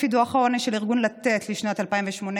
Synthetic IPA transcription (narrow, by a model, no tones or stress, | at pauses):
id̪uaχaoneʃeliʁɡunlat̪et̪liʃnatalpaimveʃmone